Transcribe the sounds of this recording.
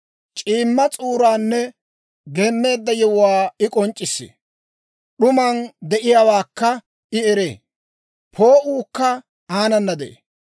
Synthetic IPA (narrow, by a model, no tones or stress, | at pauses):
t͡ʃʼiːmːɐt͡sʼuːɾaːnːɛ | ɡeːmːe̞ːd̪ːɐjɛwʊwaːɪkʼɔnt͡ʃʼːɪsːḛ | ɗʊmɐnd̪ɛʔɪjawaːkːɐ | ɪɛɾḛː | pʰo̞ːʔuːkːɐ | aːnɐnːɐd̪ɛʔḛ